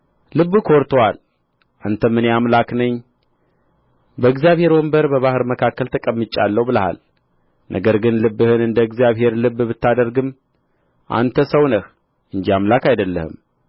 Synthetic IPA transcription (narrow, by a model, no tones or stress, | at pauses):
lɨbːkʰo̞ɾt̪ʰowal | ʔant̪ʰəmɨneamlaknəɲː | bəɨɡzijaβhe̞ɾwombəɾbəβahɨɾməkʰakːəlt̪ʰəkʼəmːɨt͡ʃʼa̰lːəwbɨləha̰l | nʔə̰ɡəɾɡɨnlɨbːɨhɨnɨnd̪əɨɡzijaβɦe̞ɾlɨbːbɨt̪ːad̪əɾɡɨm | ʔa̰nt̪ʰəsəwnəh | ʔɨnd͡ʒiamlakajd̪əlːə̰hɨ̰m